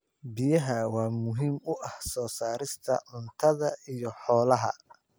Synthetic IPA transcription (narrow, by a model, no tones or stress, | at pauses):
bɪjɐɦɐwɑːmʊɦiːmʊʔɐhsɔːsaːɾɪst̪ʰɐ̰ʕʊnt̪ʰɐðɐijɔħɔːlɐɦɐ̰